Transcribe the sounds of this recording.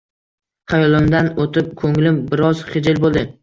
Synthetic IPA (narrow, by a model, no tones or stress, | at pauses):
χajɒlˠɪmd̪anot̪ʰɪp̚kʰɵŋlɪmbɪɾɒz̥χɪd͡ʒɪlbolˠd̪ɪ